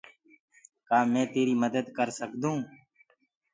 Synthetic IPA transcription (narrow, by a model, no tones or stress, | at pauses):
kaːmɛ̃ːt̪eːɾiːməd̪əd̪kəɾsəkd̪ũː